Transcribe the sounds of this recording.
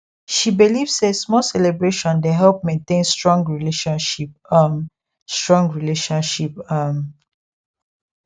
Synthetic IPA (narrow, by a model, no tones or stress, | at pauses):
ʃibilivsesmɔlsɛlebɹeʃɔ̃ndɛɦɛlp̚mẽntẽnstɹɔ̃ŋɡɹileʃɔ̃nʃip̚m | stɹɔ̃ŋɡɹileʃɔ̃nʃipam